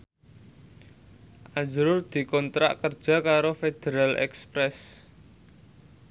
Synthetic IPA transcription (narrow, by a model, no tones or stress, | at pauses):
ʔad͡ʒɾʊrd̪̥i̤kɔnt̪ɾa̰ʔkərd̥ʒ̥a̤kaɾofed̪̥eɾalɛ̰kspɾɛs